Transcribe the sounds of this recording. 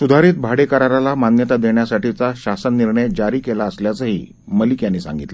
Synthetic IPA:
sud̪ʱaɾiːt̪̚bʱaɽekəɾaɾalamanjət̪ad̪eɳjasaʈit͡saɕasənːiɾɳəjd͡ʑaɾiːkelaəsljat͡səɦḭː | məlikjanːiːsã̰ŋɡit̪lə

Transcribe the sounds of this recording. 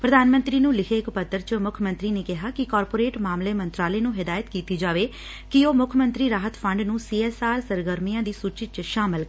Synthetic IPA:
pɾəd̪aːnmə̃nt̪ɾiːnũːlɪkʰeːkpət̪ːəɾt͡ʃmʊkʰəmə̃nt̪ɾiːneːkɪɦaːkɪkaːɾpoːɾeːʈmaːmleːmə̃nt̪ɾaːleːnũːɦɪd̪aːjət̪kiːt̪iːd͡ʒaːʋeː | kioːmʊkʰəmə̃nt̪ɾiːɾaːɦət̪pʰə̃ɳɖnũːsiːɛːsaːɾsəɾɡəɾmijãːd̪iːsuːt͡ʃɪt͡ʃʃaːmɪl

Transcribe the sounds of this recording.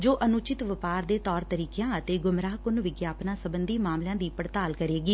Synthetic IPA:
d͡ʒoːʔənʊt͡ʃɪt̪ʋəpaːɾd̪eːt̪ɔːɾt̪əɾiːkejãːət̪eːɡʊmɾaːɦkʊnʋɪɡjaːpnãːsəbənd̪iːmaːmljãːd̪iːpəɾt̪aːlkəɾeːɡiː

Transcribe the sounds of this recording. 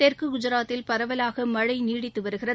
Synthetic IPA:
ɛɾkɯɡʊd͡ʒɐɾaːt̪ːɪlpɐɾɐʋɐlaːɣɐmɐɻɐɪniːɽɪt̪ːɯʋɐɾɯɣɪrɐ

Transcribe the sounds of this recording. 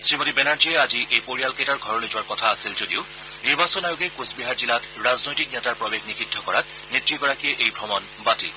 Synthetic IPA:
sɹimotibɛnaɹd͡ʒiɛaziʔejpoɹijalketaɹɡʱɔɹɔlizʊwaɹkɔtʰaːsilzodiʊ | niɹbasɔnajʊɡɛkosbiɦaɹzilatɹaznojtik̚nɛtaɹpɹɔbeɡnikʰidʱːɔkɔɹat̚ | nitɹiɡɔɹakiɛʔejbʱɔmɔn | batḭ

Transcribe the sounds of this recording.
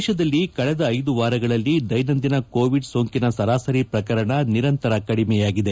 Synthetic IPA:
ʃɐd̪ɐlːikɐɭɛd̪ɐːjd̪uʋaːɾɐɡɐɭɐlːid̪ɐjnɐnd̪inɐkoːʋiɖsoːŋkinɐsɐɾaːsɐɾipɾɐkɐɾɐɳɐniɾɐnt̪ɐɾɐkɐɽimɛjaːɡid̪e

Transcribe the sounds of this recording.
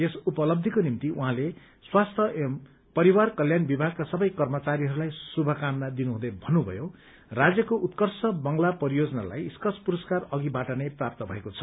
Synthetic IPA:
esupʌlʌb̚d̪ʱikonimt̪iʔuɦãle | swast̪ʰʌʔem | pʌɾiwarkʌljanbibʱaɡ̚kasʌbʌjkʌrmʌt͡saɾiɦʌɾulajsubʱʌkamnad̪inuɦũd̪ʌbʱʌnːubʱʌ̰jo | rad͡zjʌkoʔut̪kʌrsʌbʌŋlapʌɾijod͡zʌna̰la̰jskʌspuɾʌskarʌɡibaʈʌneprap̚t̪ʌbʱʌ̰ekot͡sʰʌ̥

